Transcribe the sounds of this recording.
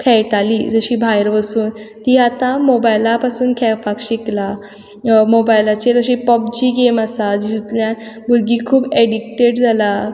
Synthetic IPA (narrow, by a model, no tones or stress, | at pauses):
kʰɛjʈaliːd͡zəɕiːbʱajɾʋəsuːnt̪iːat̪ãmobajlapasuːnkʰɛfakɕikla | mobajlat͡ɕeɾəɕiːpɔb̚d͡ʑiːɡemasad͡ʑd͡ʑut̪ljãt̪bʱuɾɡiːkʰuːbeɽik̚ʈeɽd͡zʱala